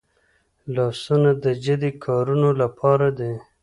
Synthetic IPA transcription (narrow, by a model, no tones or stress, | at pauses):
lɑsunad̪əd͡ʒad̪ikʰɑɾunolapʰɑɾad̪e